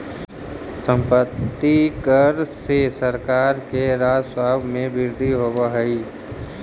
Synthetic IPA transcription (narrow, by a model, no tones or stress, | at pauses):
sə̃mpət̪ːikəɾsesəɾkaːɾkeɾaːd͡ʒswaːbʱmẽbɪɾd̪ʱiɦoːbaɦəi